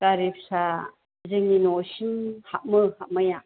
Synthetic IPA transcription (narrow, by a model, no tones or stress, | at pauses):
kaɾipsa | zɯŋinosinhaʔ̚mɯhaʔ̚maja